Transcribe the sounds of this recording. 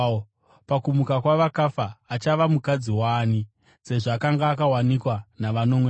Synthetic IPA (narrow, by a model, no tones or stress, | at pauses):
pakumukakwaʋakafaːt͡ʃaʋamukad͡ziwaːni | se̞ʐaːkaŋɡaːkawanikwanaʋano̞mwe